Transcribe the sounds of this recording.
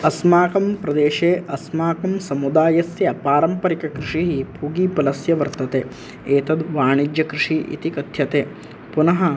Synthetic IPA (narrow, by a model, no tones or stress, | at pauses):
ɐsmaːkɐmpɾɐd̪eːʃeːʔɐsmaːkɐmsɐmud̪aːjɐsjɐpaːɾɐmpɐɾikɐkɾɪʂiɦibʱuːɡiːpɐlɐsjɐʋɐɾt̪ɐt̪eː | eːt̪ɐd̪ʋaːɳid͡ʒjɐkɾɪʂiʔḭt̪ikɐd̪ʱjɐt̪eː | punɐɦɐ